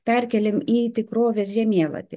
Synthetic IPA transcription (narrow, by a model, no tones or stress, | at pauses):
pʲɛɾʲkʲɛlʲɪmiːt̪ʲɪkɾoːʋʲeːsʒʲɛmʲiɛlˠɐ̰t̪ʲɪ